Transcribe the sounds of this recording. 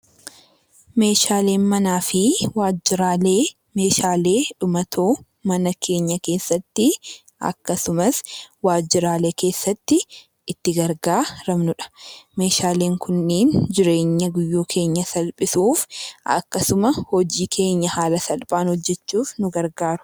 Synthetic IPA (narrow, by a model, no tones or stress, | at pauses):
me̞ːʃaːle̞ːnmɐnaːfɪwaːd͡ʒːɪɾaːleː | me̞ːʃaːle̞ːᶑʊmɐt̪ʰoː | mɐnɐkʰe̞ːɲːɐke̞ːsːɐt̪ːɪ | ʔɐ̰kːɐsʊmɐswaːd͡ʒːɪɾaːleːke̞ːsːɐt̪ːɪː | t̪ːɪɡɐɾɡaːɾɐmnʊᶑɐ̥me̞ːʃaːle̞ːŋkʰʊnːeːnd͡ʒɪɾe̞ːɲːɐɡʊjːuːkʰe̞ːɲːɐsɐlpʼɪsuːfʔɐ̰kːɐsʊmɐhɔd͡ʒiːkʰe̞ːɲːɐhaːlɐsɐlpʼaːnhɔd͡ʒːɛt͡ʃːuːfnʊɡɐɾɡaːɾʊ̥